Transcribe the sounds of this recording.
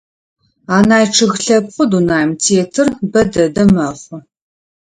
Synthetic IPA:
aːnaːjʈ͡ʂʰɨɣɬɐpχʷʊdunaːjmtʰeːtʰɨrbɐdɐdɐmɐχʷʊ

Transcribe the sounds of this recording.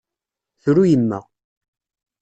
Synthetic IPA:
θɾujəmːæ̰

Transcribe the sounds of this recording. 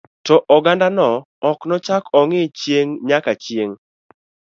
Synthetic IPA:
tɔʔɔɡandanɔ | ɔknɔt͡ʃakɔŋɪt͡ʃjeŋɲakat͡ʃjeŋ

